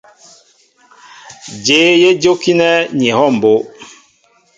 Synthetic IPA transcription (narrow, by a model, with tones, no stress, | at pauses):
d͡ʒeː˨˦je˦d͡ʒo˦ki˦nɛ˦ɲi˨hɔ˦˨m˨bo˦